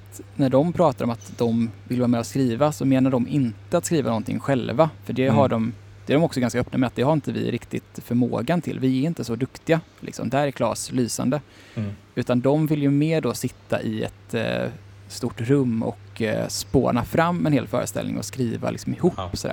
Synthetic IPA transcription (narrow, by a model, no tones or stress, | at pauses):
t̪næɖɔmpʰɾɑːt̪aɾɔmat̪d̪ɔmvɪlvːɾmɛːɔskɾiːvasɔmeːnaɖɔmʔɪnt̪əat̪skɾiːvanɔnt̪ʰɪ̰ŋːɧɛlvafœɖɛɦaɖɔm | d̪̥ɛæɖɔmɔksɔɡanskaœpːnamɛat̪d̪ɛhaɾɪnt̪əvɪ̰ɾɪkt̪ɪ̰t̪fœɾmo̰ːɡant̪ʰɪ̰lvɪɛɾɪnt̪əsɔd̪ɵkt̪ɪɡa | lɪ̰ksɔ̰md̪ɛæɾɛɾkʰlɑ̰ːslyːsa̰nd̪ə | ʉ̟ːt̪and̪ɔmvɪljɵmeːɖɔsɪt̪ːa̰ʔɪɛ̰t̪ | st̪uʈɾɵmːɔ̰kspo̰ːnafɾamːɛnheːlfœ̰ːɾə̰st̪ɛ̰lnɪ̰ŋɔ̰skɾiːva̰lɪ̰ksɔmɪhuːpːsɔd̪æ̰ːɾ